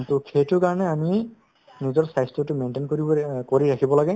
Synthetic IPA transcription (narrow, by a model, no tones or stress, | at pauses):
tʊkʰetʊkaɹɔnɛami | nizɔɹsajstutumentenkoɹikoɹiɹakʰibɔlaɡɛ